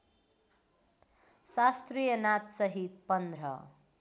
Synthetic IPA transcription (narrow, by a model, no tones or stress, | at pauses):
sast̪rijʌnat̪sʌɦit̪̚pʌnd̪rʌ̰